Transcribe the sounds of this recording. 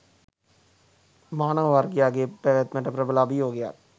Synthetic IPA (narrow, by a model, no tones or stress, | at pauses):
maːnəʋʋaːɾɡɪjaːɡepɛʋet̪mə̃ʈəpɾəbəlaːbʱiɦoːɡɪja̰ː